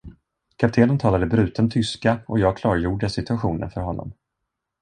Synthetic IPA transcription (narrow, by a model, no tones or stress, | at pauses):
kʰapt̪ʰeːnənt̪ʰɑːlad̪əbɾʉ̟ːt̪ʰənt̪ʰʏskaɔjɑːɡ̚kʰlɑːɾjuːɖəsɪt̪ɵaɧuːnə̰nfœɾɦɔnːɔ̰m